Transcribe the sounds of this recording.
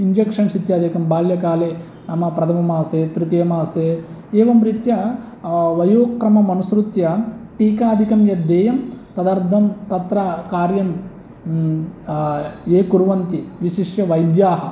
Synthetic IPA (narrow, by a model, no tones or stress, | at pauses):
iɲd͡ʒekʂɐnsit̪jaːd̪ʱikɐmbaːljɐkaːleː | nɐmɐpɾɐt̪ʰɐmɐmaːseːt̪ɾut̪ijɐmaːseː | eːʋɐmɾit̪jɐ | ʋɐjoːkɾɐmɐmɐnusɾut̪jɐʈiːkaːd̪ʱikɐmjɐd̪ːɛːjɐmt̪ɐd̪ɐɾd̪ʱɐmt̪ɐt̪ɾɐkaːɾjɐm | eːkuɾʋɐnt̪iʋiʃiʂjɐʋɐjd̪jaːɦɐ